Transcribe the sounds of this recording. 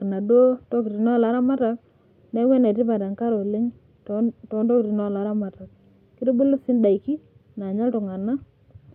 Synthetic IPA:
kna˨dwo˦tɔ˦ki˨ɾi˨nɔ˦˨la˨˦ɾa˦ma˦ta˨k | nɛ˦wɛ˦na˨ti˦pa˨ta˨ŋka˦ɾo˨le˦ŋ | to˨˦ndɔ˦kɾi˨nɔ˦˨la˨˦ɾa˦ma˨ta˨k̚ | kɪ˦to˦bʊ˦lʊ˦sɪ˦nda˨i˨ki˦ | na˨ɲa˦ltʊ˨ŋa˨na˦

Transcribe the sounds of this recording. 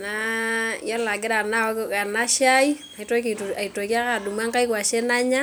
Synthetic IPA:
na˦ja˦la˨ɡɪ˦ɾa˨na˦wa˦kka˨na˦ʃa˦i˦ | a˨i˦tɔ˦k̬i˨a˨i˨to˨ka˦ka˨du˨ma˦ŋka˦jkwa˨ʃe˦na˦ɲa˦

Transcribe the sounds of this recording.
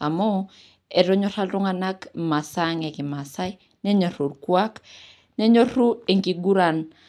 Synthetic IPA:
a̰˨mɔ˦ | e˨ɾo˦ɲo˦ɾa˦lɾo˦ŋa˨na˦kma˨saŋe˨ki˨ma˨sa˦j | nɛ˦ɲo˨ɾo˨ɾkwa˦k | ne˦ɲo˦ru˦e˨ŋki˨ɡu˦ɾan

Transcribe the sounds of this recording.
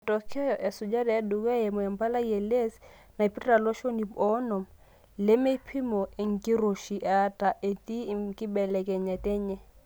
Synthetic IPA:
tʼɔ˨kʰɛ˦ɔ˨ʔɛ˨sʊ˨d͡ʒa˦dɛ˨a˦du˨ka˦e˨mʊ˨ɛ˨m̩˦pa˦la˦ie˨le˦s | na˨i˨pʼi˦rra˨lɔ˦ʃo˦ni˨bɔ˦nɔ˨m̩ | lɪ˦me˦pʰi˦mɔ˨e˦ŋ̩˨kʼɪ˦ro˨ʃi˨ʔa˦tʼa˨ʔe˨t̪i˦kʼɪ˦bɛ˨lɛ˨kʼɛ˨ɲɛ˨tʼɛ˦ɲɛ˦

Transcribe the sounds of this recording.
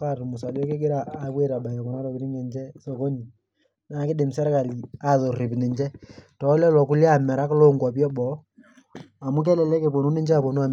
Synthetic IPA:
ka˦˨tu˨mʊ˨sa˨lɔ˦kɪ˦ɡɪ˦ɾa˦a˨be˦ɾa˨ba˨jɔ˨kɔ˨na˦ɾɔ˨kɪ˨ɾi˦ŋɛ˨nd͡ʒɛ˦so˨ko˦ɲi˨ | na˨˦kɪ˦dɪ˨msɛ˦ɾka˨li˨a˨ðo˨ri˨pnɪ˨ɲt͡ʃɛ˦tɔ˨˦lɛ˦lɔ˨ku˦lja˨mɛ˨ɾa˦klo˦ŋka˨pjɔ˦ɓɔ˨˦ | a˨mu˦k̬ɛ˦lɛ˨lɛ˦ke˨po˨nu˦nɪ˦ɲd͡ʒɛ˦a˨po˨nu˦a˨m˨

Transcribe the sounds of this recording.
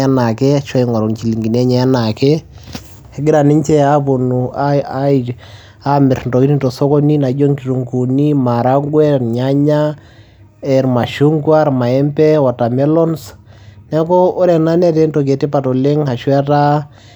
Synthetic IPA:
a˦na˨kɛ˦ʃɔ˦i˨ŋwa˨ɾo˨nt͡ʃi˨li˨ŋɡi˨n˦ɛ˦ɲɛ˨a˦na˨kɛ˦ | hɛ˨ɡɪ˦ɾa˨ni˦t͡ʃɛ˦a˦po˨nu˨ | a˦mɪ˨ɾntɔ˨ki˦ni˦ntɔ˨sɔ˦kɔ˦ni˦na˨d͡ʒo˦ŋki˨tu˨ŋku˨ni˦ma˨ɾa˦ɡwɛ˦ɾɲa˦ɲa˦ | ɛ˨ɾma˨ʃu˦ŋkwa˦ɾma˨ɛ˦mpɛ˦wɔ˨ta˨mɛ˦lɔ˦nsnɛ˦kɔ˦o˦ɾɛ˨na˦nɛ˦tɛ˦nto˨k̬ɛ˨ti˦pa˨tɔ˨le˦ŋha˨ʃwɛ˦ta˦

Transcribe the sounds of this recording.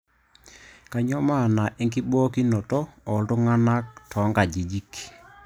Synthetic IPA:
ka˨ɲɔ˦ma˦˨na˨ʔɪ˦ŋki˦bɔː˦ki˦nɔ˨tɔ˦ɔ˨ltʊ˦ŋa˦na˦k̚tʰɔ˨˦ŋɡa˨d͡ʒi˨d͡ʒi˦k

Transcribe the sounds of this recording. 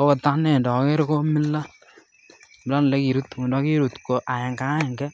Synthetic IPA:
o˦kɔ˨ta˦nɛ˨ndɔ˨ke˦ɾko˦mɪ˦lːa˦ | bɪ˨la˦n˨lɛ˦ki˨ɾu˦tu˨ndɔ˦ki˦ɾu˨tko˨ʔa˨jɛ˨ŋka˦ɛ˨ŋɡɛ˦

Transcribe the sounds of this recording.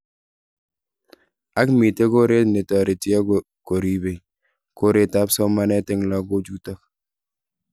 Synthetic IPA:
a˦kmi˨te˦ko˦ɾe˦tne˨tɔ˨ɾe˨ti˦a˦ | ko˨ɾi˨be˨ | ko˦ɾe˦ta˦psɔ˦ma˦nɛ˦tɪ˦ŋla˦ko˦d͡ʒu˦tɔ˦k̚

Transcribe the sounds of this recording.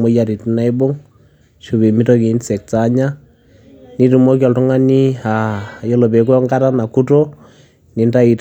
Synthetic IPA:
mɔ˦ja˨ɾi˨tna˦i˦bo˦ŋ | ʃu˨be˨mi˦tɔ˦ki˨˦nsɛ˨k̚ta˨˦ɲa˦ | ni˦tu˨mɔ˦k̬ɔ˨ltu˦ŋa˦ni˦a˨jɔ˦lɔ˨pe˨k̬ɔ˦ŋɡa˦ɾa˦na˨ku˦to˦ | ni˨nda˦i˨t

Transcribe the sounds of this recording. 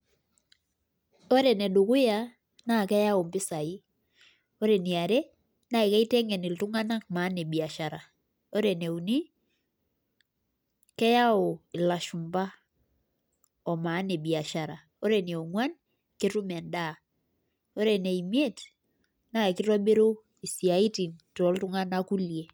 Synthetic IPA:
o˦ɾe˨ne˨du˨kʊ˦ja˦ | na˦˨kɛ˦ja˦o˨mpɪ˦sa˨i˦ | o˦ɾe˨ni˨a˨ɾe˦ | na˦i˨kɛ˦i˦tɛ˦ŋɛ˨ni˨ltu˦ŋa˦na˦k̚ma˨˦ne˨bi˨a˨ʃa˨ɾa˨ | o˦ɾe˨ne˨u˨ni˦ | kɛ˦ja˦o˨ɪ˨la˨ʃu˨mba˦ | ɔ˨ma˨˦ne˨bi˨a˨ʃaɾa˨ | o˦ɾe˨ni˨o˨ŋwa˦n | kɪ˦ɾu˦mɛ˨nda˦˨ | o˦ɾe˨ne˨i˨mi˦e˦t | na˦˨kɪ˦ɾɔ˦be˦ɾo˦ | i˨si˨a˨i˦ti˨nto˨˦ltu˦ŋa˦na˦ku˦lje˨

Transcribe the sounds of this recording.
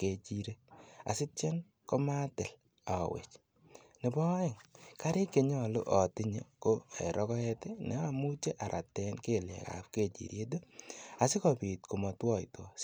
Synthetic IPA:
ke˨t͡ʃiɾe˦a̰˨sɪ˦t͡ʃe˦n | ko˦ma˦tɪ˨l | a̰˨wḛ˨t͡ʃ | nɪ˨bɔ˦ɪ˨ŋka˦ɾɪ˦ke˨ɲɔ˨lʊ̰˦ʔɔ˨tɪ˦ɲe˨koɛ̰˨ɾɔ˦kɔ˦ɛ˦tɪ˦nɛ̰˨a˨mu˦t͡ʃe˦ʔa˨ɾʔa˨tɛ˦nke˦lɛ̰˨ka̰˨pke˦˨t͡ʃḭ˨ɾje˦do˦a˨sɪ˦kɔpi˨tko˨mɔ˨twɔ˦˨ḭ˨to˨

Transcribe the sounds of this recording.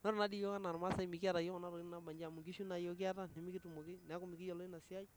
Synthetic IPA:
nɔ˦ɾɔ˨na˦di˦jo˦ka˦na˨ɾma˦sa˦i˦mi˨kɪ˦a˦˨ta˨jɔ˦kɔ˨na˦ɾɔ˨i˦na˨ba˨ɲd͡ʒa˨mu˨ŋɡi˦ʃu˦na˨jo˦k̬ɪ˦a˦ta˦ne˨mi˦ki˦tu˨mo˨ki˦nɛ˨˦kʊ˦mi˨kɪ˦jɔ˨lɔ˦i˦na˨sɪ˦a˦i˦

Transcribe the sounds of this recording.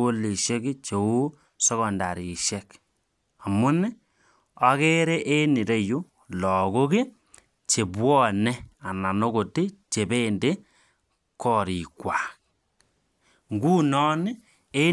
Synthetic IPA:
o˦li˨ʃe˦ki˦t͡ʃe˨u˦ | sɔ˦ɣɔ˨nda̰˨ɾi˨ʃɛ˦k | a˨mu˦nɛ˦ | a˦ke˦ɾe˦ʔe˦ni˨ɾe˦ju˦ | lɔ˨ko˦ki˦ | t͡ʃe˨bwɔ˦nɛ˦a˨na˨no˦ko˨ti˦t͡ʃe˨be˦nde˦ | kɔ˦ɾi˨kwa˨k | ŋɡu˦nɔ˦nɪ˦ | e˦

